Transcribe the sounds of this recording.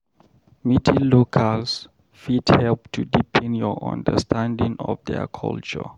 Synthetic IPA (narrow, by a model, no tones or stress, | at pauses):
mitʰilokʰals | fidhɛlptʰudipʰɛ̃njɔã̰ndə̰stʰãndĩŋɔ̰fdɛ̰kʰɔ̰lt͡ʃɔ̰